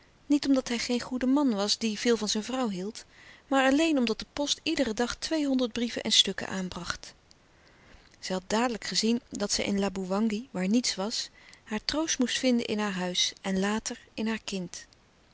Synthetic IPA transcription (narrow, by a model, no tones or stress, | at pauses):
nitɔmdɑtɦɛjχejnχudəmɑnʋɑsdiv̥ɪːlˠvɑnzɛjnvrɑwɦilˠtmaːɹɑlejnɔmdɑt̚dəpɔstidərədɑχtʋejɦɔndəɹd̚brivə̰nʔɛ̰nstɵkə̰ʔaːnbrɑχt | z̥ɛjɦɑt̚daːdələkχəzindɑtsɛ̰jʔɪ̰nlaːbuʋɑŋɡiʋaːɹnitsʋɑshaːɹtrowstmustfɪndə̰ʔɪnɦaːɹɦœɥsʔɛnlaːtəɹɪnɦaːɹkɪnt